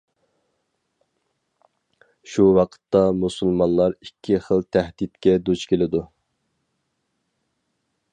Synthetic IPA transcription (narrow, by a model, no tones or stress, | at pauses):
ʃuwɑqʰə̥t̪ːɑmusɨlˠmɑnlˠɑɾikʲʰːiχəlˠt̪ʰæhd̪it̪kʲɛd̪ut͡ʃkʲʰelɪd̪u